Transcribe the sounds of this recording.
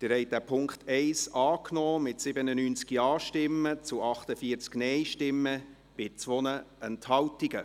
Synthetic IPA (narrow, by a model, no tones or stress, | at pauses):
d̪̥ɪɾhɛɪd̥æpʰʊŋktʰɛɪsɑːknɔːmɪtsɪbənənyːnt͡skiɑːʃtɪmːət͡sʊɑχtəfiːət͡sknɛjʃtɪmːə | b̥ɪt͡sʋɔnəɛnthɑwtiɡə